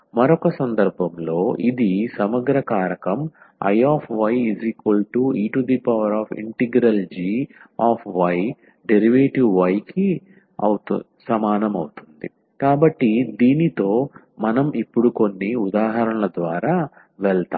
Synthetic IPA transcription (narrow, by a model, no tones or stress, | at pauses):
mɐɾɔkɐsɐnd̪ɐɾbʱɐmlo̞ːʔid̪isɐmɐɡɾɐkaːɾɐkɐm | ɐ̰jaːpʰʋɐjiziːkʋɐlʈuiːʈud̪ipɐʋɐɾaːfʰḭɳʈiɡɾɐld͡ʒiaːpʰʋɐj | ɖeɾiʋeːʈiʋʋɐjki | ɐ̰wt̪u | sɐmaːnɐmɐwut̪und̪i | kaːbɐʈːid̪iːnit̪o̞ː | mɐnɐmipːuɽuko̞nːiud̪aːɦɐɾɐɳɐlɐd̪ʋaːɾaː | ʋɛɭt̪aː